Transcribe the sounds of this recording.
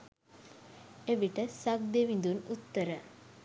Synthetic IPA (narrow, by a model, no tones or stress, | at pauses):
eʋiʈɐsɐɡ̚d̪eʋind̪unut̪ːɐɾɐ